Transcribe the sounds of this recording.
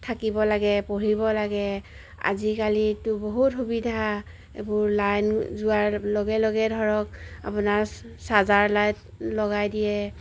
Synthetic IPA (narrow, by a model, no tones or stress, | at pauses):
tʰakibɔlaɡɛpoɹibɔlaɡɛ | a̰zikalitʊboɦutxubidʱa | ḛbʊɹlajnzʊaɹlɔɡɛlɔɡɛdʱɔɹɔk̚a̰punaɹ | sazaɹlajt | lɔɡajdijɛ